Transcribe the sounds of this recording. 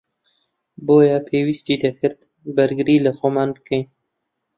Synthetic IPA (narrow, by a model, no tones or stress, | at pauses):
boːjapʰeːwist̪iːd̪ɐkʰɨɾd̪ | bɐɾɡɨɾiːlaxomɑːnbəkʰɛjn